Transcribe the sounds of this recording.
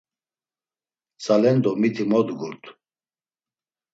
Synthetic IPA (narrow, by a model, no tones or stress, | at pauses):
salɛnd̪ɔmit̪ʰimɔd̪ɡuɾt̪ʰ